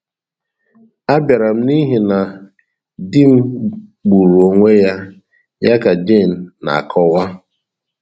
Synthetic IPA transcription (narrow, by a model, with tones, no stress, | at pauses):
a˦bja˨ɾa˨m̩˦ni˦ɦi˨na˨ | di˦m̩˦k͡pu˨ɾu˨o˨ŋʷe˦ja˦ | ja˦ka˨d͡ʒe˦˨n̩ː˨a̰˨a̰˨kʰɔ˦wa˦